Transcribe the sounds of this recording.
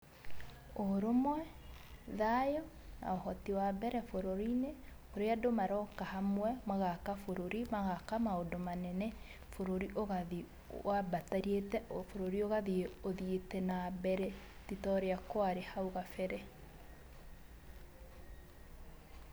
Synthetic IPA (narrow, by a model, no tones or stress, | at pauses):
oɾomwɛðajɔ | na̰ohɔtiwabɛɾɛfoɾoɾine | oɾeadomaɾɔkahamwɛmaɣakafoɾoɾimaɣakamaodomanɛnɛ | foɾoɾiʔoɣaði | wabataɾietɛofoɾoɾioɣaðioðietɛnabɛɾɛtitɔɾeakoaɾehauɣafɛɾɛ